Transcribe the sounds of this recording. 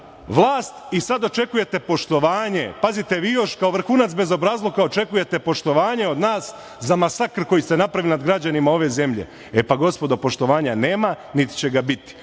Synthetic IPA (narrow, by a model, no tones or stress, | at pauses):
ʋlˠaːst̪isad̪o̞t͡ʃe̞kuje̞t̪e̞po̞ʃt̪o̞ʋaːɲe̞pazit̪e̞ʋiːjo̞ʃkaoʋɾ̩xuːnat̪sbe̞zo̞bɾazlˠokao̞t͡ʃe̞kuje̞t̪e̞po̞ʃt̪o̞ʋaːɲe̞o̞d̪naːs | zamasakrko̞jist̪e̞napɾaʋinad̪ɡɾad͡ʑanimao̞ʋe̞ze̞mʎe̞̰ | epaɡo̞spo̞d̪opo̞ʃt̪o̞ʋaːɲaneːma | nit̪i̥t͡ɕe̞ɡabit̪i̥